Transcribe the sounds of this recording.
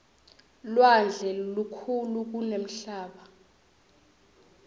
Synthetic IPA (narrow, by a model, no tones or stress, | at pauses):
lwand͡ɮʱɛlukʰuluk̬unem̩ɬaːɓa